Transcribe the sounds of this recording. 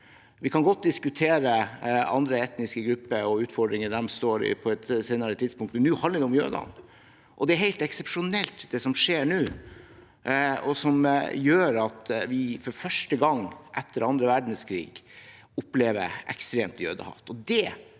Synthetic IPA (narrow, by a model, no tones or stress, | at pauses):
ʋɪkʰɑnɡɔt̪̚d̪ɪskʉt̪ʰeːɾəɑ̰nd̪ɾəɛt̪nɪskəɡɾʉpːəɔʉːt̪fɔɖɾɪŋəd̪ɛmst̪oːɾɪ̰pʰɔɛt̪seːnəɾət̪ʰɪd̪spʊŋkt̪mɛnːʉːhɑnəɾʋɪʊmjø̰ːd̪ɑ̰n | ʔɔd̪ɛæɾɦæɪt̪ɛksɛpʂʊnɛlt̪d̪ɛsɔmʂeːɳʉː | ɔsɔmjøːɾɑt̪ʋɪfɔɾfœʂʈəɡɑŋːʔɛt̪ʰːəɾɑnd̪ɾəʋæɖɳ̩skʰɾḭːɡ | ʊpleːʋə̰ɾʔɛ̰kst̪ɾeːmt̪jø̰ːd̪ə̰hɑ̰ft̪ɔd̪ɛ